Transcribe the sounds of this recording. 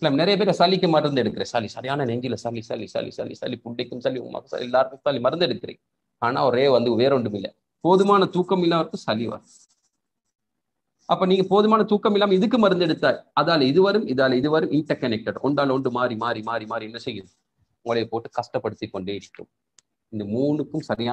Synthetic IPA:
lːaːmnɛɾɐjɐp̬eːɾɐsɐlːɪkːɯmɐɾɾɯnd̪ɛɽɯkːɯɾẽːsɐlisɐɾɪjaːnɐnɛɲd͡ʒɪlɐsɐlːisɐ̰lːḭsɐ̰lːḭsɐ̰lːḭsɐ̰lːipʊɳɖɛkːɯmsɐlːiʊ̰ŋma̰kːɐsɐ̰liɛlːaːɾɯkɯmsɐlːimɐɾɐnd̪ɛɽɯkːɪɾḛː | aːna̰ːɔɾeːʋɐnd̪ɯʋeːɾɔɳɖɯmɪlːɐ̰ | poːðɯmaːnɐt̪uːkːɐmɪlːaːʋɐɾɯkːɯ̃sɐlːiʋɐ̰ɾɐ | ɐpːɐːniːŋɡɐpoːðɯmaːnɐt̪uːkːɐmɪlːaːmɐɪðɯkːɯmɐɾɯnd̪ɛɽɯt̪ːaːɐðaːlɐɪðɯʋɐɾɯmɪðaːlɐɪðɯʋɐɾɯmɪɳʈɐɾkɐnɛk̚ʈɐɖɔɳɖaːlɔɳɖɯmaːɾimaːɾimaːɾimaːɾiɛnːɐsɛjːɯn | ʊŋɐɭɐjɐpoːʈːɯkɐʂʈɐpːɐɽɯt̪ːikːɔɳɖeːɪɽɪkːɯ̰m | ɪnd̪ɐmuːɳɯkːɯmsɐɾɪjaː

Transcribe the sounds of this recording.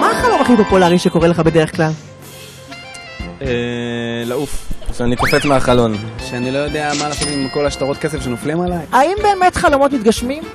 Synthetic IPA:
maːχalo̞maχlipo̞polaʁiʃeko̞ʁeleχabede̞ʁeχklal | elaufʃeanikofet͡smeaχalo̞nʃeanilo̞jod̪eamanafiliimekolaʃtaʁo̞t̪̚kesefʃenoflimalajaimbe̞ːme̞tχalo̞mo̞tmit̪̚ɡaʃmim

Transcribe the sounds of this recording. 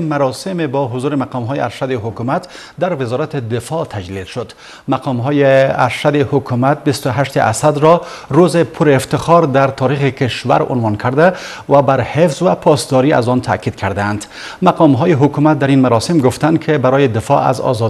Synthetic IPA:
maɾɔsimebɔɦʊzuɾimaqɔmɦɔjiaɾʃad̪iɦʊkumat̪ | d̪aɾvɪzɔɾat̪id̪ɪfɔt̪ʰad͡ʒlilʃʊd̪ | maqʰɔmɦɔjia̰ɾʃad̪ihʊkʰumat̪̚bist̪ʊɦaʃt̪iʔa̰sad̪ɾɔɾuzipʰʊɾːft̪ɪχɔɾd̪aɾt̪ʰɒɾiχikeʃva̰ɾʊ̰nvɔnkʰaɾd̪a | vabaɾhefzvapʰɒsd̪ɔɾia̰zɔnt̪ʰa̰kid̪̥kʰaɾd̪aːnd̪ | maqɔmɦɔjiɦʊkumat̪̚d̪aɾinmaɾɔsimɡʊft̪and̪kʰɪbaɾɔjid̪ɪfɔʔa̰zɔ̰zɔ

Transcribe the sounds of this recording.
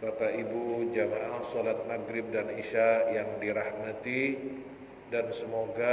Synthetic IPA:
bapaʔibud͡ʒamaʔasɔlat̪̚maɡɾɪb̚daniʃajaŋdiɾahmat̪i | dansəmoɡa

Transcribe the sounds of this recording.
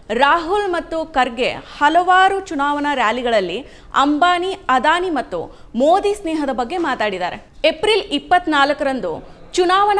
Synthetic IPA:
ɾaːɦulmɐt̪ːukɐɾɡehɐlɐʋaːɾut͡ʃunaːʋɐnɐɾjaːliɡɐɭɐlːi | ɐ̰mbaːniɐd̪aːnimɐt̪ːṵ | moːd̪isneːɦɐd̪ɐbɐɡːe̞maːt̪aːɽid̪a̰ːɾḛ | epɾilipːɐt̪ːnaːlɐkɐɾɐnd̪u | t͡ʃunaːʋɐn

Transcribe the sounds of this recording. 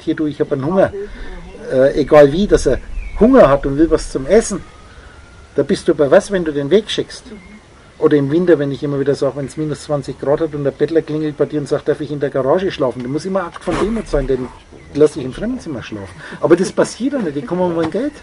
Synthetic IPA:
thiːɐduːɪçhaːbənhʊŋɐ | ʔɛːʔeɡaːlviːdasɐɐhʊŋɐhatʊntvɪlvast͡sʊmɛsn̩ | d̥aːbɪst̚d̥uːbaɐɪvasvɛnduːdeːnveːkʃɪkst | ʔoːdɐɪmvɪntɐvɛnɪçɪmɐviːdɐszaːɡvɛnsmiːnʊst͡sv̥ant͡sɪçɡ̥ʁɑːthatʊntdəɐb̥ɛtlɐkl̥ɪŋl̩t̚b̥aɪdiːɐʊntz̥aːχtd̥aɐfɪçɪndeːɐɡaʁaːʒəʃlɑːfn̩d̥amʊsɪmɐʔaktfɔnd̥eːmʊtz̥aɪndɛn | lasɪçɪmfʁɛmn̩t͡sɪmɐʃlɑ̰ːfn̩ʔɑːbɐdɛspasiːɐtanɛtɪkʰɔmmaɪnɡɛlt

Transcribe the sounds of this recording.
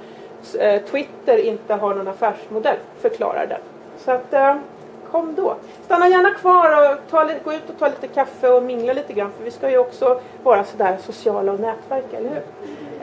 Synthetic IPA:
t̪ʰwɪt̪ːəɾɪnt̪əɦaɳɔnafæːʂmʊd̪ɛlːfœɾkʰlɑ̰ːɾa̰ɖɛ̰n | sɔat̪ː | kʰɔmːd̪ɔ | st̪anːajæːɳakʰvɑːɾɔt̪ʰɑːlɡoːʉ̟ːt̪ɔt̪ʰɑːliːt̪əkʰafːəɔmɪŋːlaliːt̪əɡɾanːfœɾvɪskajɵɔksɔ | vɑːɾasɔd̪æːɾsʊsɪɑːlaːvnɛːt̪væɾkɛlːəɾhʉ̟ɾ

